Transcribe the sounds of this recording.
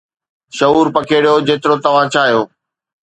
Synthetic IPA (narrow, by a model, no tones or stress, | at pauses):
ʃɐuːɾpɐkʰeːɽijod͡ʑeːt̪ɪɾot̪ɐʋ̤ãt͡ɕʰaːɦijoː